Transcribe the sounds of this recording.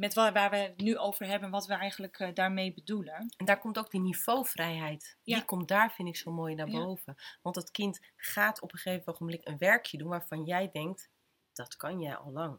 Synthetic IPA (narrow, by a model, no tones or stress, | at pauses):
mɛtʋʋaːʋənyowvəɹɦɛbənʋɑtʋəɛjχənləkdaːɹmejbədulənɛndaːɹkɔmtowɡ̚diniv̥owfrɛjɦɛjtdikɔmtdaːɹfɪndɪksowmoːjnaːɹbowvəʋɑntətkɪntχaːtɔpəχefəntoχəmblɪkənʋɛɹkʰjədunʋaːɹfɑnjɛjdɛŋk̚t | d̥ɑtkɑnjɛjɑ̰lˠlɑŋ